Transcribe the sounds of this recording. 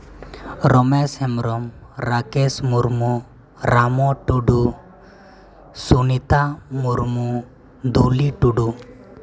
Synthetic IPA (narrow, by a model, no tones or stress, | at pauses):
ɾɔmɛshɛmɾɔmɾakɛsmuɾmu | ɾamɔʈuɖu | sunit̪amuɾmu | d̪uliʈuɖu